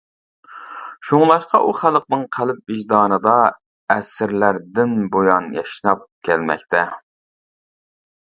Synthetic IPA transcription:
ʃuŋlˠɑʃqɑʔuχælˠqnɨŋqʰælɪp̚iʒd̪ɑːnɨd̪ɑ | ɛsɾlæɾd̪ɪnbojɑnjɑʃnɑp̚kkʲʰɛlmɛ̰kʲt̪ʰɛ

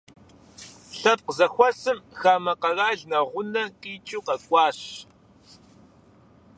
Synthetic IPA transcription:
ɬɐt̚qəzaxʷasɨmxaːmaqɑɣaɮnaʁʷʊnakiːt͡ʃʼuqɑkʷaːʃ

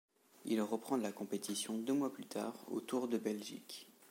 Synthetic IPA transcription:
ilʁəpχɑ̃lakɔ̃pet̪isjɔ̃d̪ømwaplyt̪ʰa̰ːʁo̰t̪uʁd̪əbɛlʒḭk

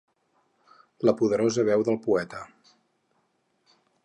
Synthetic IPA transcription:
ləpuðəɾozəβɛwðəlˠpuɛt̪ə

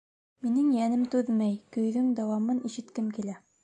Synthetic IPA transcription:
minɘŋjænɘmt̪ʉðmæjkɵ̆jðɵŋd̪æwɑmɤniʃɘ̆t̪kɘmkilæ

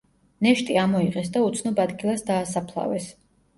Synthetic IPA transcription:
nɛʃt̪ʼiamɔiqʼɛsd̪aut̪sʰnɔbad̪ɡilˠasd̪aːsapʰlˠa̰vɛs

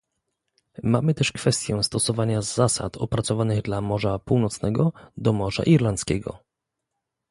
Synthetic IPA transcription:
mamɘt̪ɛʂkfɛst̪ʲjɛst̪ɔsɔvaɲazːasa̰t̪ɔpɾat̪sɔvanɘɣd̪lamɔʐapuwnɔt̪snɛɡɔd̪ɔmɔʐa̰ʔiɾlant̪skʲɛ̰ɡɔ̰

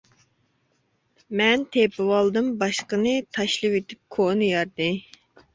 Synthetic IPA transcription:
mɛnt̪ʰepɪwɑlˠd̪ɨmbɑʃqənɨt̪ʰɑʃlˠɨwet̪ʰyp̚kʰonɨjɑɾd̪ɨ

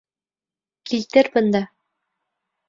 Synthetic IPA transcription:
kʰilt̪ɘɾbɤ̆nd̪ɑ

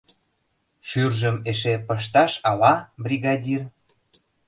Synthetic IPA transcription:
ʃyrʒəmeʃ̬epəʃ̬t̪ɑʃɑlɑbrʲiɣɑdʲir

